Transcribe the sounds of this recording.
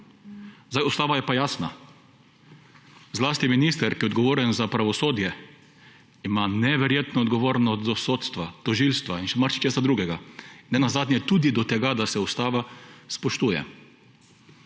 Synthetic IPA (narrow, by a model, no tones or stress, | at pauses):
zajust̪aːʋajɛpajaːsna | zlaːst̪iminiːst̪ɛɾkijɛɔd̪ɡɔʋoːɾɛnzapɾaʋɔsoːd̪jɛ | imanɛʋɛɾjeːt̪nɔɔd̪ɡɔʋoːɾnɔsd̪ɔsoːt̪st̪ʋat̪ɔʒilst̪ʋainʃɛmaɾt͡ʃi̥t͡ʃeːsad̪ɾuːɡɛɡanːɛnazaːd̪nʲjɛt̪ud̪id̪ɔt̪ɛɡad̪asɛust̪aːʋaspɔʃt̪uːjɛ̰